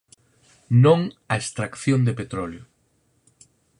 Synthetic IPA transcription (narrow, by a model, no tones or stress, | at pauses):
nõŋɐest̪ɾakθjond̪epet̪ɾɔljʊ